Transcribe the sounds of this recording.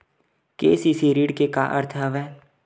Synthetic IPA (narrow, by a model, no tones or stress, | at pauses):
keːsisiɾiːɖkeka̰ʔə̰ɾt̪ʰɦəʋɛː